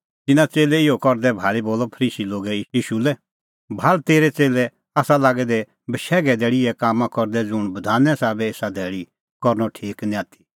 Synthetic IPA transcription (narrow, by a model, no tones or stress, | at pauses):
t̪ɪnãt͡seːlɛɪɔkɔɾd̪ɛbʱaːɭiboːlɔpʰəɾiːsiloːɡɛiːʃulɛ | bʱaːlt̪eːɾɛt͡seːlɛ | aːsalaːɡɛd̪ɛ | bəʃɛːɡɛd̪ɛːɽiɛkaːmãkɔɾd̪ɛd͡zʊɽ̃bɐd̪ʱaːnɛ̃saːbɛeːsad̪ʱɛːɽi | kɔɾnɔʈʰiːknĩãːt̪ʰi̥